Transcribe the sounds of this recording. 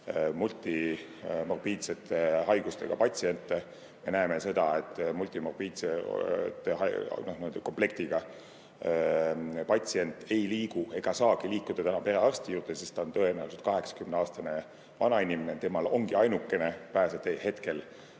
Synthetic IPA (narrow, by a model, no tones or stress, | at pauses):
mult̪ʲˑːi | morbiːd̪set̪ːˑehɑjɡ̥ust̪e̞̰ɡ̥ɑpɑt̪ʲsie̞nt̪ːˑe | me̞næeme̞se̞d̪̥ɑe̞t̪ːˑmulʲt̪ːˑimorbiːd̪set̪ːˑeɦɑnohnid̪eko̞mple̞k̚t̪iɡ̥ɑ | pɑt̪ʲsie̞nt̪ːˑe̞jliːɡ̥ue̞ɡ̥ɑsɑːɡ̥iliːkːˑud̪̥ɑt̪ænɑpe̞ɾe̞ɑrst̪ijuːrt̪e̞sist̪ɑont̪ɤ̞enæ̰wuset̪̚kɑɦe̞ksɑ̥kymneɑːst̪ɑne̞ | vɑnɑinimenet̪e̞mɑlo̞ŋɡ̥iɑjnukːe̞ne̞pæːset̪ehe̞t̪ke̞l